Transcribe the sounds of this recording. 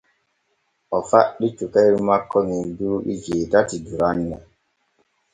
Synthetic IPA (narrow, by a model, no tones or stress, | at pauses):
ɔfaɗit͡ʃukɛiɾmakːɔninduɾɓḭd͡ʒeːtatiduɾanːɛ